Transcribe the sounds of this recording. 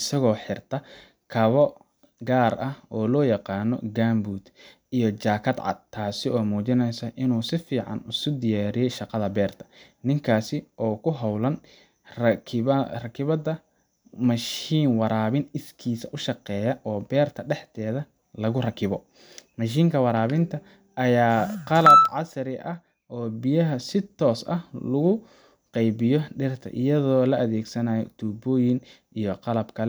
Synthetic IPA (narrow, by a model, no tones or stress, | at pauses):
ɪsɐɣɔːħɪrt̪ʰɐ | kʰɐβɔ | ɡaːɾɐhɔːlɔːjɑqɑːnɔ̰ɡaːmbuːd̪ | ijɞt͡ʃaːkʰɐd̪ʕɑ̰d̪̚t̪ʰaːsɪɔːmuːt͡ʃɪnɛjsɐʔɪnuːsɪfiːʕɑ̰nʊsʊd̪ɪjaːɾɪjɛjʃɑqɑðɐbɛːrt̪ʰɐ̥ | nɪŋkʰaːsɪʔɔːkʰʊɦɐwlɐn | rkʰrɐkʰɪβɐd̪ɐ | mɐʃiːnwɑɾaːβɪnɪskʰiːsɐʔʊʃɑqɛːjɐʔɔːbɛːrt̪ʰɐɖɛħt̪ʰɛːðɐ | lɐɣʊrɐkʰɪβɔ | mɐʃ̬iːŋkʰɐwɑɾaːβɪnt̪ʰɐ | ʔːjaːqɑlɐb̚ʕɑsɐɾɪʔɐh | ʔɔːbɪjɐɦɐsɪt̪ʰɔːsɐ̰hlʊɣʊ | qɛjβɪjɔɖɪrt̪ʰɐ̰ʔɪ̰jɐðɔːlɐʔɐðɛːɡsɐnaːjɔ̰t̪ʰuːbɔːjɪn | ʔijɔqɑlɐbkʰɐlɛ